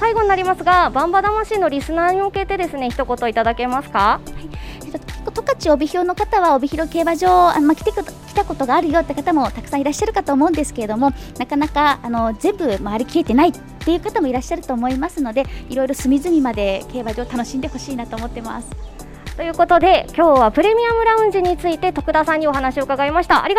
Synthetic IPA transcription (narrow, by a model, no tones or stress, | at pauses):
saiɡo̞ɲ̟inaɾʲimasɨɡabãmbad̪amaɕino̞ɾʲisɨnaːɲ̟ioke̞t̪e̞d̪e̞sɨne̞çi̥t̪o̞ko̞t̪oit̪ad̪ake̞masɨ̥kahaiet̪okot̪o̞kat͡ɕio̞bʲiço̞ːno̞kat̪aβao̞bʲiçiɾo̞ke̞ːbaʑo̞ːa̰nmakʲi̥t̪ekkʲi̥t̪ako̞t̪o̞ɡaːɾɯ̟jo̞ːt̪ːekat̪amo̞t̪akɯ̥sãiɾaɕːaɾɯ̟kat̪oːmo̞ɯ̃nd̪e̞sɨ̥keɾe̞d̪o̞mo̞nakanakaːno̞zẽ̞mbɯ̟maaɾʲikʲie̞t̪e̞nait̪ːe̞jɯ̟kat̪amo̞iɾaɕːaɾɯ̟t̪o̞ːmo̞imasɨno̞d̪e̞iɾo̞iɾo̞sɨmʲizɨmʲimad̪e̞ke̞ːbaʑo̞ːt̪ano̞ɕĩnd̪e̞ho̞ɕiːnat̪o̞ːmo̞t̪ːe̞ma̰sɨ̥ | t̪o̞jɯ̟ːko̞t̪o̞d̪e̞kʲo̞ːβapɯ̟ɾe̞mʲiamɯ̟ɾaɯ̟̃ɲd͡ʑiɲ̟it͡sɨit̪e̞t̪o̞kɯ̟d̪asãɲ̟ːioɦanaɕio̞ɯkaɡaimaɕi̥t̪aɾʲi